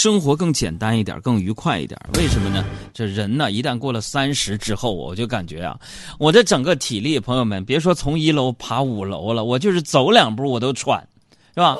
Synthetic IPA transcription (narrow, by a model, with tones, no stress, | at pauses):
ʂɤ˥ŋxwɔ˧˥k̬ɤ˥˩ŋt͡ɕjɛ̰˨˩nt̪a˥ni˥˩t̪j̰kɤ˥˩ŋy˧˥kʰwa˥˧ɪḭ˥˩t̪j̰we˥˩ɪʂə˧˥mə˧nə˩ʈ͡ʂɤ˥˩ɻə˧˥nnə˨i˧˥t̪a˥˧nkwɔ˥˩lə˩sa˥nʂɻ̩˧˥ʈ͡ʂɻ̩˥xo˥˩ʊwɔ̰˨˩t͡ɕjo˥˩ʊka˨˩nt͡ɕɥɛ̰˧˥jɐ̰˧ | wɔ˨˩t͡sa˥˩ɪʈ͡ʂɤ˨˩ŋɡə˥˧t̪ʰi˨˩li˥˩ə˩pʰɤ˧˥ŋjo˧ʊmə˨˩npɛ˧˥ɻʂwɔ˥t͡sʰʊ˧˥ŋi˧˥lo˧˥ʊpʰa˧˥u˨˩lo̰˧˥ʊlə˨wɔ˨˩t͡ɕjo˥˧ʂɻ̩˥˩t͡so˧˥ʊljɑ˨˩ŋp̩˧˥wɔ˨˩t̪̬o˥ʊʈ͡ʂʰwa̰˨˩˦n | ʂe˥˩bɐ˩